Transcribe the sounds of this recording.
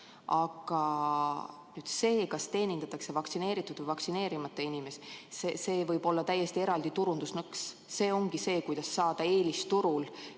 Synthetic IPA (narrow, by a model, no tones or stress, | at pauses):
ɑɡ̥ɑ | nyːd̪̥se̞ːkɑst̪e̞ːnind̪̥ɑt̪ːˑɑkse̞vɑk̪sine̞ːɾit̪ːˑud̪̥vəɨjvɑksine̞ːɾimɑt̪ːˑeinime̞ssese̞ːvɤjb̥o̞lːɑt̪æjest̪ie̞ɾɑld̪it̪uɾund̪̥usnɤks | se̞ːo̞ŋɡ̥ise̞ːkujd̪̥ɑsːɑːd̪̥ɑe̞ːlist̪uɾul